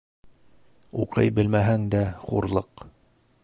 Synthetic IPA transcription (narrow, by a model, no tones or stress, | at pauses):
ṵqɤ̰jbɘlmæɦæŋd̪æχṵɾlˠɤq